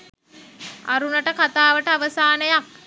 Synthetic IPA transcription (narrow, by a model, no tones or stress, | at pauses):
a̰ɾunəʈəkat̪aːʋəʈəaʋəsaːnəjak̚